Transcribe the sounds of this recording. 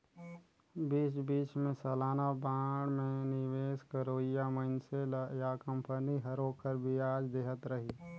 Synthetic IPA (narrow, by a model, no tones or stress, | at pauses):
biːt͡ʃbiːt͡ʃmẽsɐlaːnabãːɽmẽnɪweːskəɾoːijamənseljaːkə̃mpəniɦɐɾoːkʰəɾbʱiaːd͡ʒd̪eːɦət̪ɾəɦiː